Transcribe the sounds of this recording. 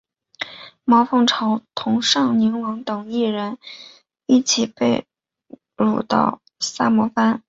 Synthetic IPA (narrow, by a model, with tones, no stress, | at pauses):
mɑ˧˥ʊfɤ˥˩ŋʈ͡ʂʰɑ˧˥ʊt̪ʰʊ˧˥ŋʂɑ˥˩ŋni˧˥ŋwɤ˧˥ŋt̪ɤ˨˩ŋi˥˩ɻə˧˥n | i˥˩t͡ɕʰi˨˩pe˥˩ɪ | ɻu˨˩t̪ɑ̰˥˩ʊ | sa˥mɔ˧˥fa˥n